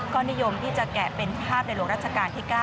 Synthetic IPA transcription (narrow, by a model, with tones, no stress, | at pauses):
kɔː˥˩ni˦˥jo˧mt̪ʰiː˥˩t͡ɕa˨˩kɛ˨˩pe˧npʰaː˥˩p̚na˧jlu˥˩kɾa˥t̪̚t͡ɕʰa˧kaː˧nt̪ʰiː˥˩kaː˥˩